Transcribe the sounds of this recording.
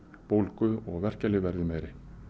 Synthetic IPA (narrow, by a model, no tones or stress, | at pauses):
powlkʏɔɣvɛr̥calɪvɛɾðɪmeːjɾɪ